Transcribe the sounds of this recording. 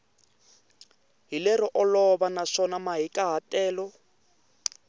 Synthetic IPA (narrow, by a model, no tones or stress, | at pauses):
ɦilɛɾɔʔɔlɔβanaʂɔnamaɦikʼaɦatʼɛːlɔ